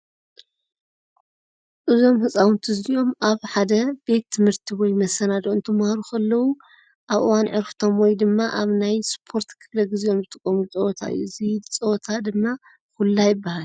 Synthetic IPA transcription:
ʔɨzo̞mhɨt͡sʼawʊnt̪ʰɨzijo̞mʔaβħad̪ɐbe̞t̪̚t̪ʰɨmhɨɾt̪ʰiwɔjmɐsɐnad̪oɨnt̪ʰɨmhaɾukʰɐlːɐwu | ʔaβʔɨ̰wanʕɨɾfɨ̥t̪ʰo̞mwɔjd̪ɨmːaʔaβnajspʰo̞ɾt̪kʰɨflɐɡɨzjo̞nbɨt̪ʰʼɨkʼːɐmut͡sʼɐwɔt̪ʰa̰ʔɨ̰jːuzɨt͡sʼɐwt̪ʰad̪ɨmːa | kulːajɪbːahal

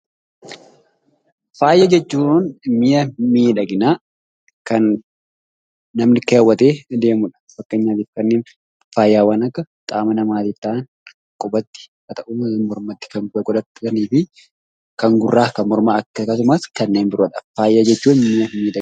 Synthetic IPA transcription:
faːjːɐd͡ʒɛt͡ʃːuːnmɪjɐmiːᶑɐɡɪnaː | kɐn | ɐmnɪkɐɐwːɐt̪eːd̪e̞ːmʊᶑɐ̥fɐkːeːɲːaːt̪iːfkɐnːeːn | faːjːaːwɐnɐkːɐ | kʼaːmɐnɐmaːt̪it̪ːaːn | kʼɔbɐt̪ːɪ̥kɐt̪ɐʔumɔɾmɐt̪ːɪ̥kɐŋɡɡɔᶑ̪ɐt̪ːɐɐniːfɪ | kɐŋɡʊrːaːkɐmɔɾmaːɐkːɐkɐs̬ʊmaskɐnːeːnbɪɾɔᶑɐfaːjːɐd͡ʒɛt͡ʃːuːnmɪjɐmiːᶑɐ

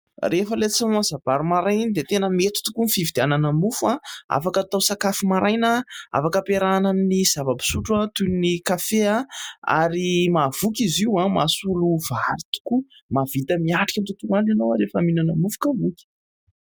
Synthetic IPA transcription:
refəlet͡simazab̥aɾumaɾajnid̪et̪enəmet̪u̥t̪ukunifivid̪eananəmufuãa̰fakət̪awsakafimaɾajnəa̰fakəpeɾanaminiz̥avabi̥suʈ͡ʂuãt̪unnikafeaa̰ɾimavukʲiziwãmasuluvaɾit̪u̥kumav̥it̪əmiaʈ͡ʂḁikʲant̪ut̪unananowaɾefaminanəmufu̥kavukʲi̥

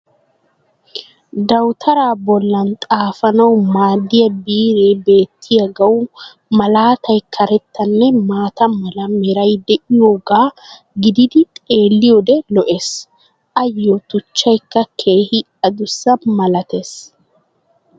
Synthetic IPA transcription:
d̪ɐwt̪ʰɐɾaːbɔlːɐnt̪ʼaːfɐnɐwmaːd̪ɪjɐbiːɾebe̞ːt̪ːɪjɐɡɐw | mɐlaːt̪ʰɐjkʰɐɾɛt̪ːɐnːɛmaːt̪ɐmɐlɐmɛɾɐjd̪ɛʔɪjoːɡaː | ɡɪd̪ɪd̪ɪt̪ʼe̞ːlːɪjod̪ɛlɔʔe̞ːs | ʔɐjːot̪ʊt͡ʃːɐjkːɐkʰe̞ːhɪ | ɐd̪ʊsːɐmɐlɐt̪eːs

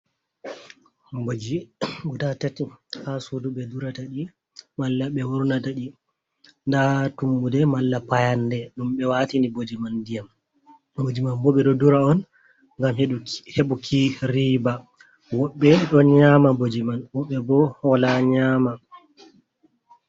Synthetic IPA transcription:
bod͡ʒiɡudatatihasuduɓɛduɾataɗi | malːaɓɛwuɾunataɗi | ndatumbudɛmalːapajandɛɗumɓɛwatinibod͡ʒimandijam | bod͡ʒimanbɔɓɛɗɔduɾaɔn | ŋɡamheɓukʰiɾiba | wɔɓːɛɗɔɲamabod͡ʒimanwɔɓːɛbɔhɔlaɲaːma

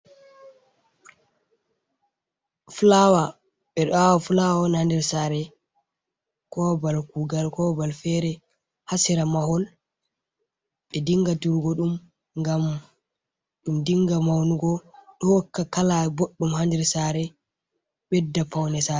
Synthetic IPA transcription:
fulawa | ɓɛɗɔawɔfulawawɔnhandɛɾsaːɾɛ | kɔbalkuɡalkɔbalfɛɾɛ | hasiɾamahɔl | ɓɛdiŋɡatuɾɡɔɗum | ŋɡam | ɗumdiŋɡamawnuɡɔɗɔwɔkːakalaboɗːumhandɛɾsaːɾɛ | ɓɛdːapawnɛsaɾɛ

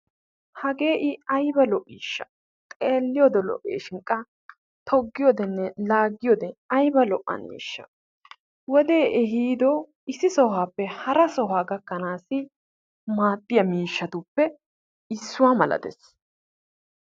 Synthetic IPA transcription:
hɐɡeːʔɪɐjbɐlɔʔiːʃːɐ̥̰ | t̪ʼeːlːɪjɔd̪ɛlɔ̰ʔḛːʃɪŋkʼːɐ | t̪ʰɔɡːɪjɔd̪ɛnːɛlaːɡːɪjɔd̪ɛɐjbɐlɔʔːɐ̰nḭːʃːɐ̰ | wɔd̪e̞ːʔɛɦiːd̪ɔ | ɪsːɪsɔɦaːpːɛhɐɾɐsɔɦaːɡɐkːɐnaːsɪ | maːt̪ʼːɪjɐmiːʃːɐt̪ʊpːɛ | ɪsːʊwaːmɐlɐ̰d̪ɛ̰s

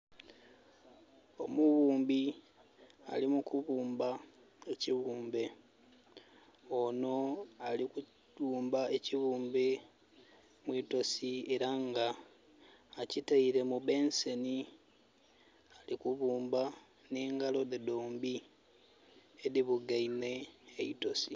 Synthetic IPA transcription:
o̞muβuːmbi | a̰limukuβuːmba | eciβuːmbe̞ | ono̞aliku | uːmbae̞ciβuːmbe | mwiːto̞sie̞ɾaŋɡaː | citaiɾe̞mube̞nse̞ni | alikuβuːmba | niːŋɡalo̞ðedoːmbi | eðiβuɡaine̞ːito̞si

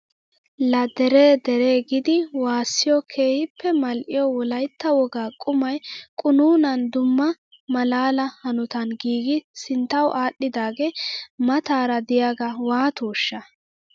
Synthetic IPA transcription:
lɐd̪ɛɾeːd̪ɛɾeːɡɪd̪ɪwaːsːɪjɔkʰe̞ːhɪpːɛmɐlʔɪjɔwɔlɐjt̪ːɐwɔɡaːkʼʊmɐjkʼʊnuːnɐnd̪ʊmːɐ | mɐlaːlɐhɐnʊt̪ɐnɡiːɡɪsɪnt̪ːɐwʔaːɗːɪd̪aːɡeːmɐt̪aːɾɐd̪ɪjaɡɐwaːt̪oːʃːɐ

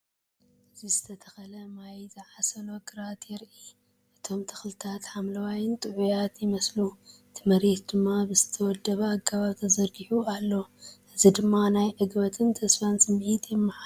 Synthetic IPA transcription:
ʔɨzizɨt̪ʰɐt̪ʰɐxɐlɐmajzɐʕasɐnoɡɨɾat̪jɛɾʔi | ʔɨt̪ʰo̞mt̪ʰɐ̥xlɨt̪ʰat̪ħamlɐwajɪnt̪ʼɨʕujat̪jɪmɐslu | t̪ʰɨmɐɾet̪̚d̪ɨmːabɨzɨt̪ʰɐwɔd̪ːɐβɐakʰːaβaβt̪ʰɐzɐɾɡiħualːo̞ʔɨzid̪ɨmːanajʕɨɡbɐt̪ʰɨnt̪ʰɐsfijansʼɨmʕit̪jɪmːɨħa

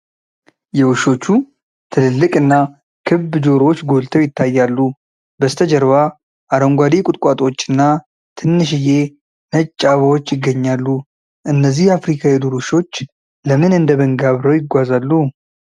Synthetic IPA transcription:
jɛwuʃo̞t͡ʃːu | t̪ʰɨlɨlːɨkʼɨnːa | kʰɨbd͡ʒo̞ɾo̞t͡ʃːɡo̞lt̪ʰəwjɪt̪ʰːajːalːu | bəst̪ʰəd͡ʒəɾβa | ʔaɾəŋɡʷad̪ikʼʊt̪ʼkʼat̪ʼo̞t͡ʃːɨnːa | t̪ʰɨnːɨʃɨje̞ | nət͡ʃʼːaβawot͡ʃːjɪɡːəɲːalːu | ʔɨnːəzːihjafɾikʰajɛd̪uɾuʃo̞t͡ʃː | ləmɨnɨnd̪əβəŋɡaβɾəwjɪɡʷazalːu

